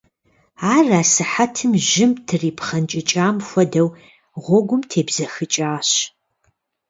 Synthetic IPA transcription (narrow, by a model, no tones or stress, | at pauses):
aːraːsɨħatʰɨmʒɪmtʰɨriːpχɐnt͡ʃʼɪt͡ʃʼaːmxʷɔdɐw | ʁʷɔɡʷʊmtʰeːbz̥ɐxɨt͡ʃʼaːɕ